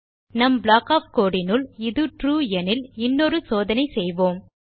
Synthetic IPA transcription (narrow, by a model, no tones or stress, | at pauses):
nɐmblaːkaːfkoːɽɪnɯlɪðɯʈɾuːɛnɪlɪnːɔɾɯsoːðɐnɐɪsɛjʋoːm